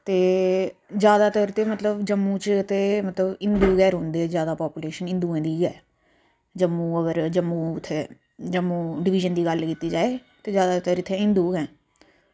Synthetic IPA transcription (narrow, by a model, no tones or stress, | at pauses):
t̪eː | d͡ʒjaːd̪aːt̪əɾt̪eːmət̪ləbd͡ʒəmːũːt͡ʃɪt̪eːmət̪ləbɪnd̪uːɡɛːɾɦõːnd̪eːzjaːd̪aːpaːpuːleːʃənɪ̃nd̪uːɛ̃ːd̪iːɡɛː | d͡ʒəmːũːəɡəɾd͡ʒəmːũːɪt̪ʰːeː | d͡ʒəmːũːɖɪʋɪʒənd̪iːɡəlkiːt̪iːd͡ʒaːeːt̪eːd͡ʒjaːd̪aːt̪əɾɪt̪ʰːẽːɪ̃nd̪uːɡɛ̃ː